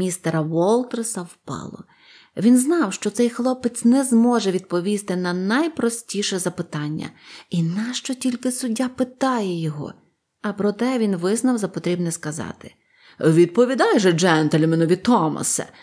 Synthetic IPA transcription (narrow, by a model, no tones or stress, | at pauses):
mʲist̪ɛɾɐʋɔlˠt̪rsɐwpɑ̰lˠɔ̰ | ʋʲinznɑwʃt͡ʃɔt̪sɛjxlˠɔpɪt͡sʲnɛzmɔʒɛʋʲid̪̚pɔʋʲist̪ɪnɐnɐjpɾɔsʲtʲiʃɛzɐpɪt̪ɑnʲːɐ̰inɐʃt͡ʃɔtʲilʲkɪsʊdʲːapɪt̪ɑjɛjɔɦɔ̰ | ɐpɾɔt̪ɛʋʲinʋɪznɐwzɐpɔt̪ɾʲibnɛskɐzɑ̰t̪ɪ̥ | ʋʲid̪̚pɔʋʲid̪ɑjʒɛd͡ʒɛnt̪elʲɐmɪnʊʋʲit̪ɔmɐ̰sɛ̰